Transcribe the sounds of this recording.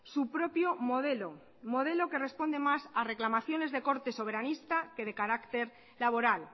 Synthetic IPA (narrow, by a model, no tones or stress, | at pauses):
supɾo̞pjo̞moðelo | mo̞ð̞e̞lo̞ke̞re̞spo̞nd̪e̞masare̞klamaθjo̞ne̞zðe̞ko̞ɾt̪e̞so̞β̞e̞ɾanist̪ake̞ð̞e̞kaɾakt̪e̞ɾ | laβ̞o̞ɾal